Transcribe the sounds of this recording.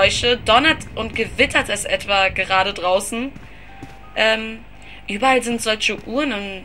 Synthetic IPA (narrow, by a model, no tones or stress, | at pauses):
ɔʏʃədɔnɐtʔʊntɡ̥əvɪtʰɐtɛsʔɛtv̥aːɡəʁaːɾədʁaʊsn̩ | ʔɛːm | ʔyːbɐalzɪntz̥ɔlçəʔuːɐnʊn